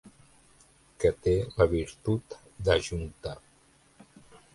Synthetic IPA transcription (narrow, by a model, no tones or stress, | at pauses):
kət̪eləβiɾt̪ut̪ | d̪əʒunt̪a